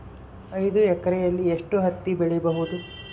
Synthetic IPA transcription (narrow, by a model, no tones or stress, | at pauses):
ɐjd̪uɛkːɐɾɛjɐlːieʂʈuɦɐt̪ːibiɭɛbɐɦud̪u